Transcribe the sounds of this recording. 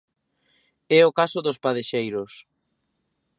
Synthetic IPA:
ɛʊkasʊðʊspaðeʃejɾʊs

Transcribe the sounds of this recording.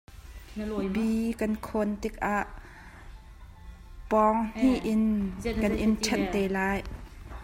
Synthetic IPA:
biːkɐnkʰont̪ik̚ʔaːʔ | pɔŋn̥iʔɪnnkɐnʔint͡ʃʰɛnt̪ɛlaːj

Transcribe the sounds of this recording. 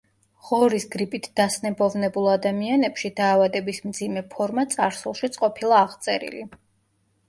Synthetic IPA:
ʁɔɾisɡɾipʼit̪ʰd̪̥asnɛbɔvnɛbulˠad̪amianɛpʃid̪aːvad̪ɛbismd̪zimɛpʰɔɾmat̪sʼaɾsulˠʃit̪sʼqʼɔpʰilˠaːʁt̪sʼɛɾḭli

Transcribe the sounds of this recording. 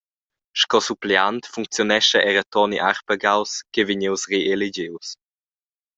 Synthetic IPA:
ʃkɔsupleant̪fuŋk̚t͡sjonɛʃəʔɛɾət̪ɔniʔaɾpəɡawskeveɲewsreʔeled͡ʑews

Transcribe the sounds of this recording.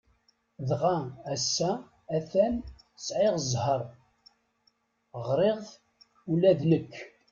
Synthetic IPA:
ðʁææsːæː | θæn | sʕeʁəzˤhəɾˤ | ʁɾeʁ | ulæðləkʰː

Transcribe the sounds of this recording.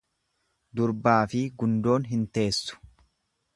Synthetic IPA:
d̪ʊɾbaːfɪɡʊnd̪o̞ːnɦɪnt̪e̞ːsːʊ̥

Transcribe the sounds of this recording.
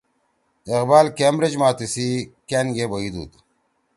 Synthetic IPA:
eqbaːlkemɾed͡ʑmaːt̪isikenɡebɐid̪ṵːt̪

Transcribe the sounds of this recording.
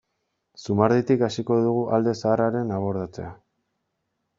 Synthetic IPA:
sumaɾðit̪ikasiko̞ðuɣuʔald̪e̞saːraɾe̞naβo̞ɾðat͡se̞̰a

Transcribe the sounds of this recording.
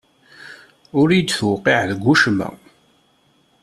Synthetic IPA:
ʊɾijd̪θwqiʕðəɡʷːuʃmæ̰

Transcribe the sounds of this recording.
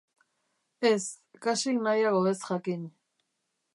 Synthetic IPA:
es | kasiknajaɣoβesxakiɲ

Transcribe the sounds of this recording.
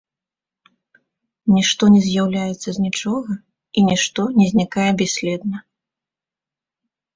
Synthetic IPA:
nʲiʂt̪ɔnʲɛzʲjawlʲajɛt̪sːɐzʲnʲit͡ʂɔɣɐ | inʲiʂt̪ɔnʲɛzʲnʲikajɛbʲasʲlʲɛd̪nɐ

